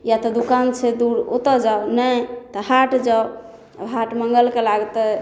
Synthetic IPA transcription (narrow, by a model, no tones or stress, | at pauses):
jat̪ɔd̪ukant͡ʃʰɛd̪uɾo̰t̪əd͡ʒaonət̪ɔɦaʈd͡ʒaw | ɦaʈməŋɡəlkelaɡt̪ɛ